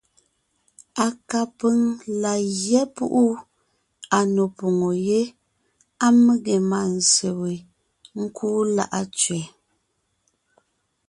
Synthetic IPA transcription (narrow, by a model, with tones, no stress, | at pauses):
a˨ka˨pə˦ŋla˨ɣjɛ˦pṵ˦ʔu˦ | a˨no˨po˨ŋo˨je˦ | a˦me˦ɣe˨ma˨n̩˨se˨we˨ | ŋ̩˦kʰuː˦la̰˦ʔa˦t͡ʃɥɛ˨